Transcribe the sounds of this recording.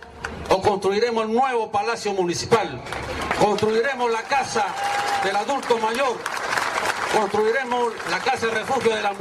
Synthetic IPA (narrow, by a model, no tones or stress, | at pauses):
okonst̪ɾuiɾe̞moselnwe̞βopalasjomũnisipalkonst̪ɾuiɾe̞mozlakasaðe̞laðult̪omaʝoɾ | konst̪ɾuiɾemoslakasaðerefuxjoðela